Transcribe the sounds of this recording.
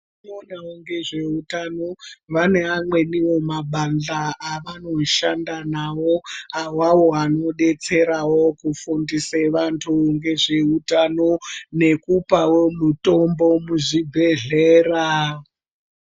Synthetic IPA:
nonaoŋɡe̞ʐe̞utano̞ʋane̞amwe̞niwo̞maɓanɮaːʋano̞ʃandanawo̞awawo̞ɦano̞ɗe̞t͡se̞ɾawo̞kufundiseʋantʰuŋɡe̞ʐe̞utano̞ne̞kupawomuto̞mbo̞muʐibʱe̞ɮeːra

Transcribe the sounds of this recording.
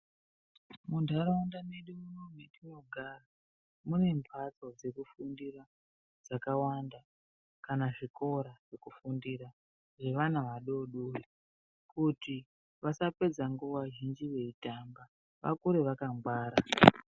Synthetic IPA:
mundʱaɾaundaneɗuunometino̞ɡʱara | mune̞mpʰat͡so̞d͡ze̞kufundiɾa | d͡zakawanda | kanaʐiko̞ɾaʐ̥ekufundiɾa | ʐe̞ʋan̤aʋaɗo̞ɗoi | kuti | ʋasape̞d͡zaŋɡuʋaʒind͡ʒiʋe̞itamba | ʋa̰kuɾe̞ʋakambwaːɾa

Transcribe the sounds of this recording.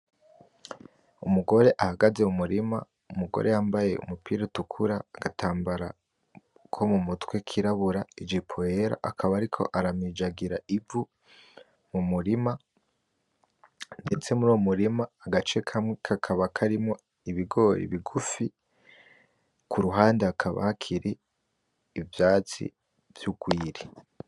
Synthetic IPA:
umuɡo̞ɾe̞ʔahaɡaze̞umuɾima | umuɡo̞̰ɾe̞jaːmbaje̞̰ṵmupiːɾatukʰuɾaːɡatʰaːmbaɾa | kʰo̞mumutwekʰiɾaβuɾaid͡ʒipʰoeɾa̰ʔakʰaβaːɾikʰo̞̰ʔaɾamid͡ʒaɡiɾaivu | mumuɾima | ndet͡se̞muɾuwomuɾimaːɡat͡ʃe̞kʰamŋekʰakʰaβakʰaɾimŋo | iβiɡo̞ːɾḛβiɡufi | kʰuɾuɦaːndeakʰaβa̰hakʰiɾiː | vjaːt͡sḭ | v̥juɡwiːɾi

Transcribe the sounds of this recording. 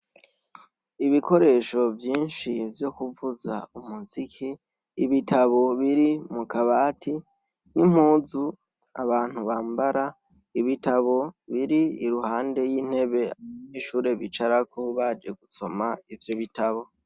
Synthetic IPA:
iβikʰo̞ɾe̞ːʃo̞vjiːnʃivjo̞kuvuza̰umuzikʰiː | βitʰaβo̞βiɾimukaβaːtʰi | nim̥uːzu | a̰βaːn̥huβaːmbaɾa | iβitaβo̞βiɾiiɾuhaːnde̞jiːn̥he̞βe̞aβamɲiːʃuːɾe̞βit͡ʃaɾakʰoβad͡ʒe̞ɡuso̞maivjoβitaβo̞

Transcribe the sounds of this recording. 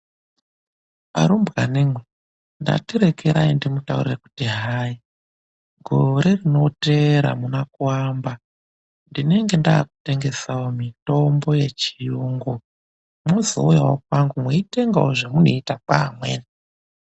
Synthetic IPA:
pa̰ɾumbɣanemwe | nda̰tiɾe̞kʰeɾaindimutaṵrireku̥tiɦaːji | ɡʱo̞ɾe̞rino̞te̞ɾa̰munakuwaːmba | ndine̞ŋɡe̞ndaːkute̞ŋɡe̞sawomito̞mbo̞je̞t͡ʃijuːŋɡo | mozo̰ujawokwaŋɡumweite̞ŋɡawoʐemunoitakaamwḛːna

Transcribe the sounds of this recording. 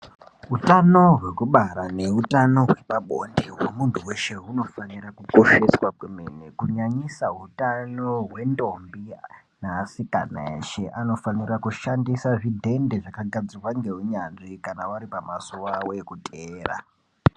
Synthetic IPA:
ɦutano̞ɦwe̞kuɓaɾane̞ɦutano̞ɦwe̞paɓo̞̰ndeɦwomuntuwe̞ʃe̞ɦuno̞fanirakukoʃeswakwemḛnekuɲaɲisaɦutano̞ɦwe̞ndo̞mbi | naːsika̰na̰ḛʃe̞ʔano̞fanirakuʃandisaʐidʱe̞nde̞ʐakaɡʱad͡zirwaŋɡe̞ɦuɲanʐikanawaɾipamasowawe̞kutʰeːra̰

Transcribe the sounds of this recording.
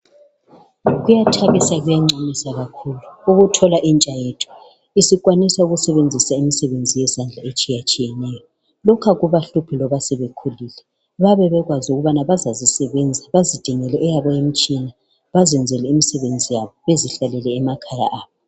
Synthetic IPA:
ɣujatʰaɣisaɣujaŋ͡ǀanisaɣakʰuluuɣutʰɔlaʔint͡ʃʼajetʰu̥ | isiɣwanisauɣusɛβend͡zʱisaimisɛβend͡zʱijɛsand͡ɮʱaet͡ʃʼijat͡ʃʼijɛnɛjɔ | lɔkʰaɣuβaɬupʰilɔβasɛβekʰulilɛ | βaβɛβɛɣwazuɣuβanaβazazisɛβɛnd͡zʱaβazid̥ʱiŋɛlɛʔɛjaβajem̩t͡ʃʼina | βazɛnd͡zʱɛlɛimisɛβend͡zʱijaβɔβeziɬalɛlɛːmakʰaja̰ʔaːβɔ

